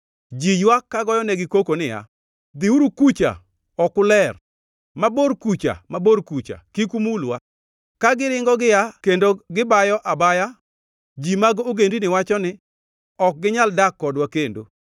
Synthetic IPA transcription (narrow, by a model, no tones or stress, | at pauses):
d͡ʒijwakkːaɡɔjɔnɛɡɪkokonɪja̰ | d̪iuɾukut͡ʃa̰ | ɔkʊlɛr | maboɾkut͡ʃa̰maboɾkut͡ʃa̰kikumulwa | kaɡɪɾɪŋɡɔɡɪjakendoɡɪbajɔʔabaja | d͡ʒimaɡoɡendinɪwat͡ʃɔnɪ | ɔk̚ɡɪɲaldakːɔdwakendo̰